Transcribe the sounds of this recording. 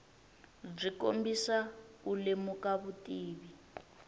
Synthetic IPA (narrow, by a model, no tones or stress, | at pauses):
b͡ʐiko̰mbisaulemukaβutʼiːβi